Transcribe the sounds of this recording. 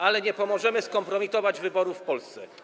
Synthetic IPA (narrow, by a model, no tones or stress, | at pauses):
alɛɲɛpɔmɔʐɛmɘskɔmpɾɔmʲit̪ɔvad͡ʑvɘbɔɾufpɔlst̪sɛ